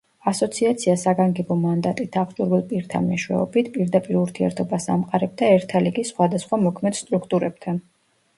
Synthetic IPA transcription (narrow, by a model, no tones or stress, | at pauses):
asɔt̪sʰiat̪sʰiasaɡaŋɡɛbɔmand̪at̪ʼit̪ʰaχʰt͡ʃʼuɾvilˠpʼiɾt̪ʰa̰nmɛʃwɛ̰ɔbit̪ʰpʼiɾd̪apʼiɾuɾt̪ʰiɛ̰ɾt̪ʰɔbasa̰mqʼaɾɛb̚d̪aɛɾt̪ʰaliɡisχwad̪asχwamɔkʰmɛd̪st̪ʼɾukʰt̪ʼuɾɛb̥̚t̪ʰan